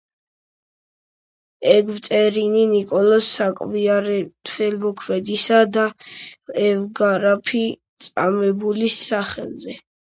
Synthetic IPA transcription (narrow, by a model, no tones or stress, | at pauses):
ɛɡvt̪ʼɛɾininikʼɔlɔsːakʼviaɾɛt̪ʰvɛlmɔkʰmɛd̪isad̪a | ɛvɡaɾapʰi | t̪sʼa̰mɛbulisaχɛ̰lˠzɛ